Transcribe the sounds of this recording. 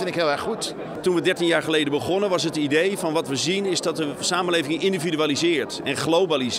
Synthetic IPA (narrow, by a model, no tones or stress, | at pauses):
ɪnɪkɦɪːlˠɛɹχut | tunʋədɛɹtinjaːɹχəlejdənbəχɔnənʋɑs̬ətidejfɔnʋɑtʋəzinɪzdɔtəsaːməlejvɪŋŋɪndividyalizɪːɹtɛnχlowbaliz